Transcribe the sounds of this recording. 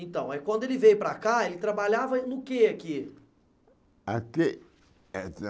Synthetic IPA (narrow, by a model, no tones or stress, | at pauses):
ẽt̪ɐ̃w̃ɛkwɐ̃nd̪ʊelɪvejʊpɾɐkaelɪt̪ɾabaʎavɐnʊkeaki | ake